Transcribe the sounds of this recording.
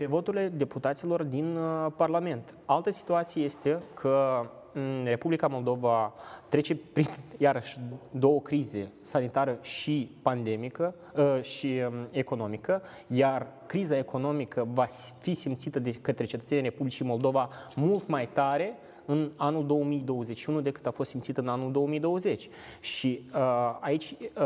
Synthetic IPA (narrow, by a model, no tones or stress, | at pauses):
pevo̞t̪uɾile̞d̪e̞put̪at̪silo̞rd̪inparlame̞nt̪ | alt̪əsi̥t̪uat̪sijejest̪ekʰə | re̞publikamo̞ld̪o̞vat̪ɾe̞t͡ʃe̞pɾinjaɾəʃʲd̪o̞wəkɾize̞sanit̪aɾəʃipand̪emikə | ʃie̞ko̞no̞mikə | jarkɾizae̞kʰo̞no̞mikəvafisimt̪sit̪əd̪ekət̪ɾe̞t͡ʃe̞t̪ət̪seniɾe̞publit͡ʃijmo̞ld̪o̞vamult̪majt̪aɾe̞ | ɨnanuld̪o̞wəmijd̪o̞wəze̞t͡ʃʃiunud̪e̞kɨ̥t̪afost̪simt̪sit̪əɨnanuld̪o̞wəmijd̪o̞wəze̞t͡ʃʲ | ʃi | ait͡ʃʲ